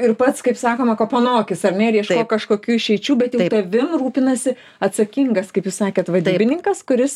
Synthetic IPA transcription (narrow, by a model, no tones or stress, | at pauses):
ɪrpɐt̪skɐɪpsɑːkoːmɐkoːponoːkʲɪsɐrnʲɛɾʲjiɛʃkkoːkɐʃkoːkʲuːʃʲɛɪt͡ʃʲuːbʲɛt̪jɛʊt̪ɐʋʲɪmruːpʲɪnɐsʲɪ | ɐt̪sɐkʲiŋɡɐskɐɪpjuːsɑːkʲeːt̪ʋɐd̪ʲɪːbʲɪnʲɪŋkɐskʊɾʲɪs